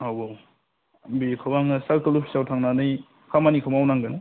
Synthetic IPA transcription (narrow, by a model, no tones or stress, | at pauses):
awbo | bikʰabaŋasaɾkɯlupʰi̥sawtʰaŋnanɯj | kʰamanikʰawmawnaŋɡɯnɯ